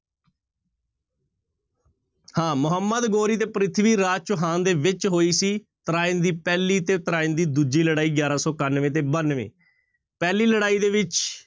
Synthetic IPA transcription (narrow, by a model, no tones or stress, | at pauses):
hãːmʊɦəmːəd̪ɡoːɾiːt̪eːpəɾɪt̪ʰʋiːɾaːt͡ʃʊɦãːnd̪eːʋɪt͡ʃɦoːiːsiː | t̪əɾaːɪnd̪iːpɛːliːt̪eːt̪əɾaːɪnd̪iːd̪ud͡ʒiːləɽaːiːɡjaːɾãːsɔːkənʋẽːt̪eːbənʋḛ̃ː | pɛːliːləɽaːiːd̪eːʋɪt͡ʃ